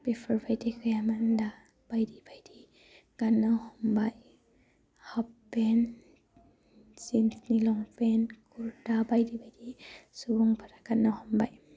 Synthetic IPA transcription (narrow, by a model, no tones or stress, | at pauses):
pefʰɔɹbajdikʰɯjamanda | b̥ajdibajdi | kanawhɔmbaj | hɔpːɛn | sinsnilɔŋpɛnkuɾdabajdibajdisubɔŋpʰaɾaɡanawhɔmbaj